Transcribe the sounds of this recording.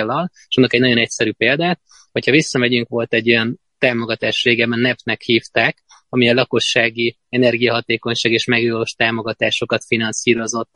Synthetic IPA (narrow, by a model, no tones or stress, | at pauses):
lːɒl | eʃonːokɛɟnɒɟo̞nɛcsɛɾyːpeːld̪aːt̪̚ | ho̞chɒvisːɒmɛɟyŋkʋo̞lt̪ɛɟːo̞jɒn | t̪aːmo̞ɡɒt̪aːʃreːɡɛbɛnːɛpnɛkhiːft̪aːk | ɒmiɒlɒko̞ʃːaːɡi | ɛnɛrɡijɒɦɒt̪eːko̞ɲʃaːɡeːʃmɛɡjoloʃt̪aːmo̞ɡɒt̪aːʃo̞kɒt̪finɒnsiːɾo̞zo̞t̪ː